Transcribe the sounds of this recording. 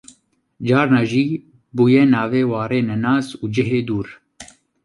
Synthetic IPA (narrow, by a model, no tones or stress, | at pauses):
d͡ʒɑːɾnɑːʒiː | buːjɛnaːveːwɑːɾeːnɛnaːzuːd͡ʒɪɦeːd̪uːɾ